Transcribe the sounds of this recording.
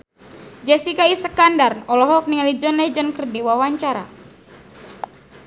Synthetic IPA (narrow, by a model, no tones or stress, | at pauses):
d͡ʒɛsikaisəkandarnɔlɔɦɔk̚niŋalid͡ʒɔnlɛd͡ʒɔnkərdiwawaɲt͡ʃaɾa̰